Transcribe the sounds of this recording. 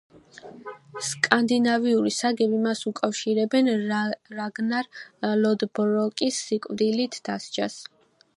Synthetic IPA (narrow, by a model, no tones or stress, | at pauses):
skʼand̪inaviuɾisaɡɛbimasukʼafʃiɾɛbɛnɾaɡnaɾlɔd̪bɾɔkʼisːikʼvd̪ilit̪ʰd̪̥ast͡ʃʰas